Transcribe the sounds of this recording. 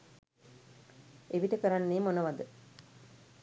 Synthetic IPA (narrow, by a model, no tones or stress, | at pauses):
eʋiʈəkəɾanːeːmonəʋad̪ə